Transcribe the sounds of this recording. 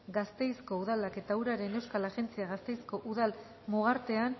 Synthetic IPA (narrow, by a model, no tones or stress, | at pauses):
ɡast̪e̞jsko̞uðalake̞t̪auɾaɾe̞ne̞wskalaʝe̞nt͡siaɣast̪ejsko̞ʔuðal | muɣaɾt̪e̞an